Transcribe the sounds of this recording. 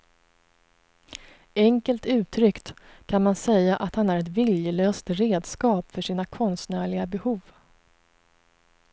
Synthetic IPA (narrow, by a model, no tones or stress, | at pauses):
ɛŋkəlt̪ʉ̟ːt̪ʰɾʏkt̪kʰanmansɛjːaʔat̪hanæɾɛt̪vɪljəløːst̪ɾeːd̪skɑːpfœʂiːnakʰɔnst̪næːɭɪɡabɛhuːv